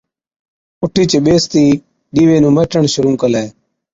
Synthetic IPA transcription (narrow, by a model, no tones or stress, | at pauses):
ʊʈʰiːt͡ʃeɓeːst̪iː | ɗiːʋeːnũːməːʈəɳʃʊɾũːkəleː